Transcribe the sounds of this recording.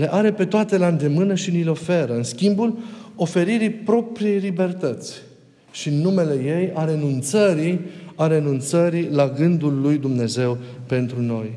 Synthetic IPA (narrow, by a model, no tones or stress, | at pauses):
le̞ʔaɾe̞pe̞t̪oat̪e̞land̪e̞mɨnəʃinileo̞fe̞ɾəɨnskʲimbulo̞fe̞ɾiɾipɾo̞pɾije̞jlibe̞rt̪ət̪sʲ | ʃinːume̞le̞je̞jaɾe̞nunt̪səɾiaɾe̞nunt̪səɾilaɡɨnd̪ulːujd̪umne̞ze̞wpe̞nt̪ɾuno̞j